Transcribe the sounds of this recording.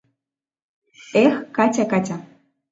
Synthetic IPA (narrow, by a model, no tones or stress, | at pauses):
exkatʲakatʲa